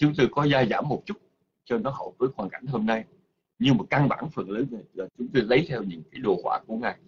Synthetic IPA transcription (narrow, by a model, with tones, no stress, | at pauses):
t͡ɕʊ˨˦ŋ͡mt̪o˧jkɔ˨˦zaː˧zaː˧˩mːo˨˩p̚t͡ɕʊ˦˥t̚ | t͡ɕɔ˧nɔ˨˦ɦə˧˩jvəː˨˦jxwaː˨˩nka˧˩jŋ̟ɦo˧mna˧j | ɲɨ˧maː˨˩ka˧nɓa̰ː˧˩nfə˨˩nləː˨˦zə˨˩laː˨˩t͡ɕʊ˨˦ŋ͡mt̪o˧jlə˨˦jt̪ʰɛ˧wɲɨ̰˧˥ŋkaː˨˦jɗo˨˩hwaː˧˩ku˧˩əŋaː˨˩j